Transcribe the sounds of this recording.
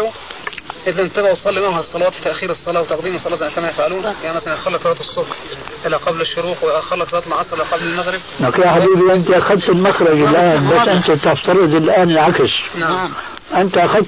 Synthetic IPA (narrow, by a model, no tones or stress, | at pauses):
ʔɪðænt̪æbæwt̪sˤɑlːimahæsˤːɑlɑwɑːt̪t̪ːæʔxiːɾɨsˤːɑlɑːwet̪ɑqd̪iːmesˤːɑlɑːʔænækæmæjefʕaluːnjmæsʔenʔæxɑɾlːɑksˤɑlɑːt̪ɨsˤːoqɾ | ʔɪlːæqɑblɪʃːʊɾuːt̪wʔæxɑɾˤlːɑksˤlɑːt̪lmʕɑːsˤɾˤʔelːæqɑblɪlmæɣɾɪb̚ʔækjaħabiːbiʔɪnt̪iʔaxæd̪̚t̪ɪlmaxɾˤɑɡɪlʔaːnbæsːʔɪnt̪æt̪aft̪ɑɾˤɨd̪ˤɪlʔaːnlʕakɪʃnaʕ | ʔɪnt̪iʔaxæd̪̚t